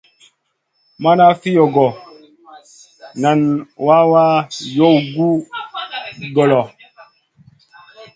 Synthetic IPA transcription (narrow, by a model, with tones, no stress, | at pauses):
ma˦na˦fi˦jɔ˨ɡɔ˨ | na˨nwa˦wa˦jo˦˨wɡu˦ | ɡɔ˨lɔ˨